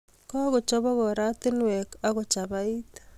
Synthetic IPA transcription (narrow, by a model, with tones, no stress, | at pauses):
kɔ˦ɣo˨t͡ʃɔ˦βɔ˦ɣɔ˨ɾa˦t̪ɪ˦nwɛ˨ka˦ɣo˨t͡ʃa˨βai˦t̪